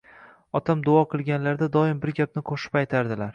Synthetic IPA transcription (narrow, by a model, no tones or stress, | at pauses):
ɒt̪ʰamd̪ʊɒqʰɨlˠɡʲanlaɾd̪ad̪ɒɪmbɪɾɡʲap̚nɪqʰoʃɪ̥pajt̪ʰaɾd̪ɪlaɾ